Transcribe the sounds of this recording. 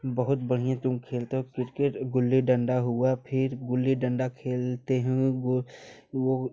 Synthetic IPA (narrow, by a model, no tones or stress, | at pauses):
bəɦʊt̪bɐɽ̤ijãt̪ʊmkʰeːlt̪eɦõkɪɾkeʈɡʊlːiɖə̃ɳɖaɦʊapʰɪɾɡʊlːiɖə̃ɳɖakʰeːlt̪eɦɛ̃ɡʊʋo